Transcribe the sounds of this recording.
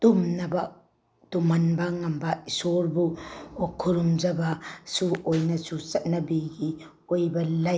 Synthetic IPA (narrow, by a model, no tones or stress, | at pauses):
tumnɐbɐ | tumɐnbɐŋɐmbɐisoɾbuokʰːuɾumd͡ʒɐbɐsuojnɐsusɐt̚nɐbiɡi | ojbɐlɐ